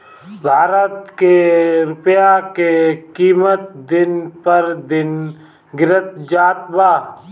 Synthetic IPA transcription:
bʱaːɾət̪keɾʊpjakekiːmət̪̚d̪ɪnpəɾd̪ɪn | ɡɪɾət̪d͡ʒaːt̪baː

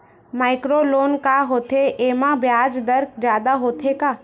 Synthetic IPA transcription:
maːɪkɾoloːnkaɦoːt̪ʰeʔemãbʱjaːd͡ʒd̪əɾk̚ʰd͡ʒjaːd̪aɦoːt̪ʰekaː

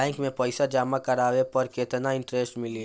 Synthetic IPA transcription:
ɛ̃ːŋkmẽpɛɪsad͡ʒaːmakɐɾaːwepɐɾkeːt̪naɪ̃ɳʈɾesʈmɪli

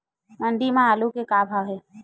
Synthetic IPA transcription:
məɳɖimãaːlukekaːbʱaɡɦeː

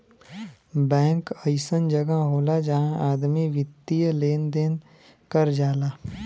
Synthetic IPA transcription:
bɛ̃ːŋkəɪsənd͡ʒəɡəɦoːlad͡ʒɐɦãʔaːd̪miʋɪt̪ːijəleːnd̪eːn | kəɾd͡ʒaːlaː

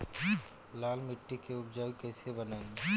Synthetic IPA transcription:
laːlmɪʈːikeʊbd͡ʒaːikɛːsebɐnaːẽŋe

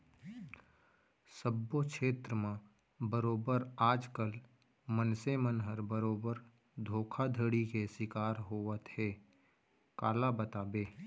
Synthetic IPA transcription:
səbːokʃeːt̪ɾəmã | bəɾoːbəɾaːd͡ʒkəl | mənsemənɦəɾbəɾoːbəɾ | d̪ʱoːkʰad̪ʱəɽikesɪkaːɾɦoːʋət̪hɛː | kaːlabət̪aːbeː

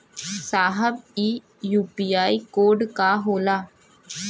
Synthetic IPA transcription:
saːɦəbiː | juːpiːaːikoːɾɖkaɦoːlaː

